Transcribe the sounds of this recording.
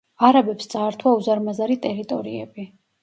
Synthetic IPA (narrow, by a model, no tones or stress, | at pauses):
aɾabɛpst̪sʼaːɾt̪ʰwauzaɾmazaɾit̪ʼɛɾit̪ʼɔɾiɛbi